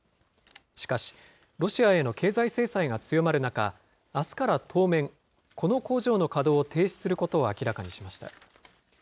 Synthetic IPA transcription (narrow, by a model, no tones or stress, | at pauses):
ɕi̥kaɕi̥ | ɾo̞ɕiae̞no̞ke̞ːzaise̞ːsaiɡat͡sɨjo̞maɾɯ̟naka̰ː | sɨ̥kaɾat̪ʰo̞ːmẽ̞ŋ | kʰo̞no̞ko̞ːʑo̞ːno̞kad̪o̞ːt̪ʰe̞ːɕi̥sɨɾɯ̟ko̞t̪o̞ːakʲiɾakaɲ̟iɕimaɕi̥t̪a̰